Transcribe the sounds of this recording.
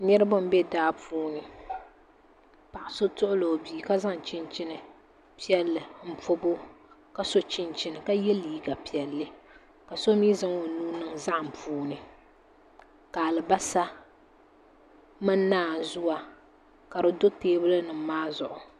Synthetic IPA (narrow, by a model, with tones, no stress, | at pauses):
ɲɛ˦ɾɨ˦bʊ˦m̩˦bɛ˦daː˦puː˦nɨ˨ | pa˨ʔɪ˨so˦tʊ˦ʔʊ˦lo˨biː˨ka˦za˦ŋ˨t͡ʃɪ˦nt͡ʃɪ˦nɨ˨ | pi˦ɛ˦lːɨ˨m̩˦˨po˦bo˦ka˦so˦t͡ʃɪ˦nt͡ʃɪ˦nɨ˨ka˦jɛ˦lːiː˨˦ɡa˨pi˨ɛ˨lːɨ˦ | ka˨so˦miː˦za˦ŋo˨nuː˦nɨ˦ŋza˦ʔm̩˨puː˦nɨ˨ | ka˨lɨ˨ba˦sa˦ | mɨ˦nː˦aː˦˨zʊ˦wa˨ | ka˨ɾɨ˨do˦teː˦bɨ˦lɨ˦nɨ˨m̩˨˦maː˦zʊ˨ʔʊ˨